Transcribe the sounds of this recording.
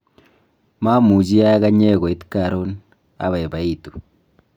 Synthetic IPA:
ma˦mu˨d͡ʒi˦ja˦ja˦ka˦ɲe˦ko˨i˦tka˨ɾo˦n | a̰˦βa˨e˨βa˨i˦tu̥˨

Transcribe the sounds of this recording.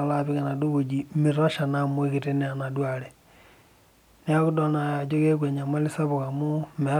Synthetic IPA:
la˦βi˦ɣa˨na˨do˦βo˨d͡ʒi˨mi˨ɾa˦ʃa˨na˨mwe˦kite˦nea˨na˨dwaɾe | ne˦a˦ɣu˦do˦na˨a˨d͡ʒo˦ɣe˦kwe˨ɲa˨ma˦li˦sa˦βu˨ɣa˨mu˦me˨˦

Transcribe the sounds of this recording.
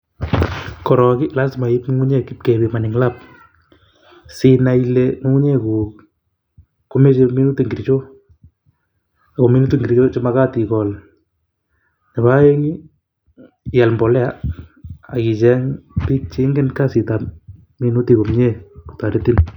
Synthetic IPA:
kɔ˨ɾɔ˨kɪ˦la˦sma˨i˦pŋ˦ŋu˦ɲe˦kɪ˦p̚ke˨bi˨ma˨nɪ˨ŋlap̚ | si˨na˨ileŋu˦ŋu˦ɲe˦ku˨ | ko˦me˦t͡ʃemi˦nu˦ti˨ŋɡi˨ɾt͡ʃo˦ | a˨ko˨mi˦nu˦ti˦ŋɡiɾt͡ʃo˦t͡ʃe˦ma˦ka˦ti˨kɔ˨l | ɲa˨βa˦e˦ŋi˦ | ja˨lmbɔ˨lɛ˦a˦ | a̰˨ki˨t͡ʃɛ˦ŋpi˦t͡ʃi˦ŋɡe˦nka˦si˨ta˨ | mi˦nu˦ti˨ko˨mɲe˦ku̥ta˨ɾe˦ti˦n

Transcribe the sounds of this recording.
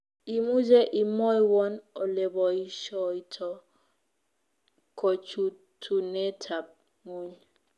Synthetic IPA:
i˨mu˦d͡ʒɛ˦ʔi˨mɔ˦i˦wɔ˦nɔ˨le˨bɔ˨i˦ʃɔ˦˨i˦tʰɔ˨ | kʰɔ˨t͡ʃu˨ | tʰu˨ne˦tʰa˨p̚ | ŋu˦ɲ

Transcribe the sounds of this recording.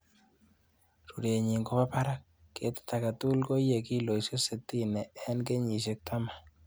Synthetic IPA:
ɾu˨ɾe˨ɲi˨ŋko˦pa˦pa˦ɾa˦kː | e˨t̪t̪a˨ka˨t̪u˦lko˦je˨ki˦lo˨i˨so˦se˨t̪i˦nɛ˨ɛ˦nke˦ɲi˨ʃ̬e˦k̚t̪a˦ma˨

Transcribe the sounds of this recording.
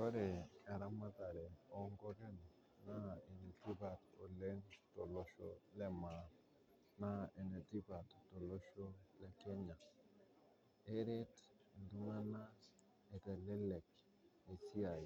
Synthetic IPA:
kɔ˦ɾɛ˨ka˨ɾa˦ma˦ta˨ɾɛ˨ɔ˨ŋɡɔ˦kɛ˦n˨ | na˦e˨ne˨ti˦ba˨to˨le˦ŋtɔ˨lɔ˨ʃɔ̰˦lɛ˦ma˨ | na˦e˨ne˨ti˦ba˨tto˨lo˦ʃo˦lɛ˦kɛ˦ɲa˨ | e˦ɾɛ˦t | e˨ndu˦ŋa˦na˦ | ɛ˨tɛ˨lɛ˦lɛ˨k | e˨ti˦a˨i˨

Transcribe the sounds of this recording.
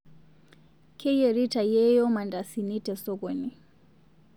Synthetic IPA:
kʰɛ˦jɛ˨ɾi˦ta˨jɛ˦jɔ˦ma˨nda˨sini˦tɛ˨sɔ˦ɣwɛ˨ni˨

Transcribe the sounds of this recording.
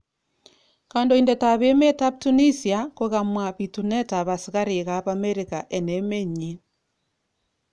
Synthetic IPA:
ka˨ndo˦indeta˨βe˦me˦ta˦p̚tu˦ni˦siakoɣa˨mwa˨βitu˨nɛ˦ta˨βa˨siɣa˦ɾe˨ɣa˦βa˦me˦ɾika˨ʔɛ˨ne˨˦me˦ɲi˦

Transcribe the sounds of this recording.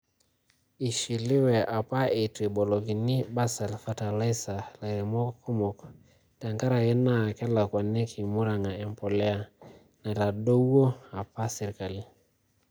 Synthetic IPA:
i˨ʃi˨li˦wɛ˨ʔa˨pa˦e˨tɾi˨ɓɔ˨lɔ˨ki˨ni˦ba˦sa˨lfa˦ta˨le˦sa˨le˨ɾi˨mɔ˦kʰu˦mɔ˨k | ta˨ŋɡa˦ɾa˨jɛ˦na˦˨kɛ˦la˨kwa˨nɛ˦kʰi˨mu˦ɾa˨ŋa˨ɛ˨mpɔ˨lɛ˦a˦ | na˨ta˨do˦wo˦a˨pa˦sɛ˨ɾi˨ka˨li˦

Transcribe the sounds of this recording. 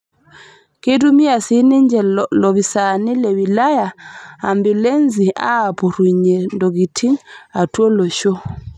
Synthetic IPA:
ke˦tumi˦a˨sini˦ɲd͡ʒɛ˨lɔβi˨sa˨ni˦lɛwila˦ja˨ambi˨le˦nzia̰ː˦˨pu˨ɾuɲɛ˨ndɔ˨ɡi˨tʰi˦ŋa˨twɔ˦lɔ˨ʃɔ˦

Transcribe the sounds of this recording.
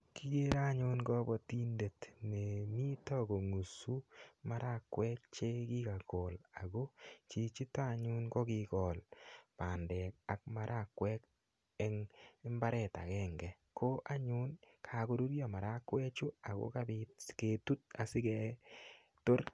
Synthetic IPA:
kɪ˦ɡe˦ɾa˦ɲʊ˦nɡɔ˦bɔ˨ti˦nde˨tnɛ˨mi˦tɔ˦ɡo˨ŋu˨su˦ma˦ɾa˦˨kwɛ˦k̚t͡ʃe˦ɡɪ˦ka˨ɡɔ˨la˨ɡo˦t͡ʃi˨t͡ʃi˦ta˦˨ɲʊ˦nɡɔ˦ɡɪ˨ɡɔ˨lpa˨ndɛ˨ka˨k̚ma˦ɾʔa˦˨kwɛ˦k | ɛ˦ŋ˦mba˦ɾɛ˦˨ta̰˨kɛ˦˨ŋɡɛ˨ | kʰo˦ʔa˦ɲʊ˦nkʰa˨ɡo˦du˦ɾjɔ˨ma˨ɾa˦kwɛ˦t͡ʃʊ˦a˨ɡo̰˦ka˦bɪ˦tke˨tu˦t̚a˨sɪ˦ɡɛ˨ | to˦ɾ

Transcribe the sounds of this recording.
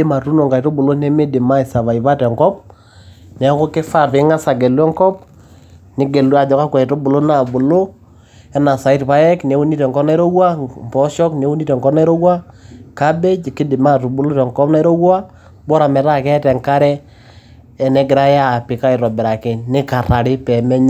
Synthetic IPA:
e˦ma˨tu˦no˨ŋka˨i˨to˦bʊ˨lo˦nɛ˦me˦dɪ˨ma˦i˨sa˨βa˨i˨βa˦tɛ˨ŋkɔ˦p̚ | nɛ˨˦ko˦ke˦fa˦˨tɪ˨˦ŋa˦sa˨ɡɛ˨lɛ˦ŋkɔ˦p̚ | nɪ˨˦ɡe˨la˨d͡ʒɔ˨ka˦kwɛ˨i˨to˦bu˨lo˦na˨bʊ˨lo˦ | ɛ˦na˨sa˨i˦tpa˦ɛ˦kne˨˦u˦ni˦tɛ˨ŋkɔ˦na˦ɾo˦wa˦m˨pɔ˦ʃɔ˦kne˨˦wu˦ni˦tɛ˨ŋkɔ˦pna˦ɾo˦wa˦ka˦be˦t͡ʃi˨kɪ˦dɪ˨ma˦˨to˨bu˦lo˦tɛ˨ŋkɔ˦pna˦ɾo˦wa˦ | bɔ˦ɾa˨mɛ˨ɾa˦kɛ˦tɛ˨ŋka˦ɾɛː˦˨ | nɛ˦ɡɪ˨ɾa˦ja˦˨pɪ˨ka˦ɪ˨ɾɔ˨bɛ˨ɾa˨kɛ˨nɪ˦ka˨ɾa˨ɾɪ˦pɛ˨mɛ˦ɲ

